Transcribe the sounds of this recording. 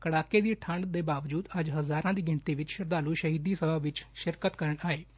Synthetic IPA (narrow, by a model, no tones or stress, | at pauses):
kəɽaːkeːd̪iːʈʰəɳɖd̪eːbaːʋd͡ʒuːd̪əd͡ʒɦəzaːɾãːd̪iːɡɪɳt̪iːʋɪt͡ʃʃɪɾd̪aːluːʃəɦiːd̪iːsəbaːʋɪt͡ʃʃɪɾkət̪kəɾəɳaːeː